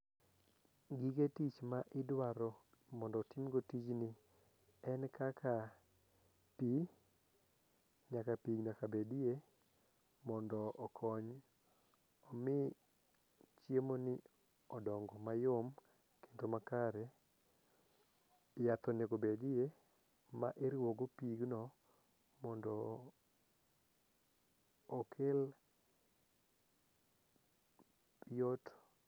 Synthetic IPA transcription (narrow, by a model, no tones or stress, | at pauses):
ɡiketit͡ʃmaʔɪdwaɾɔ | mɔndɔːtimɡotit͡ʃnɪ | ɛnkʰakʰa | pi | ɲakapiɡɲakabedie | mɔndɔːkʰɔɲ | ɔmɪ | t͡ʃjemonɪ | ɔdɔŋɡɔmajom | ke̥ntomakaɾɛ | jat̪ɔnekobedie | ma̰ʔeɾɪwoɡopiɡnɔ | mɔndɔ | ɔkʰel | jot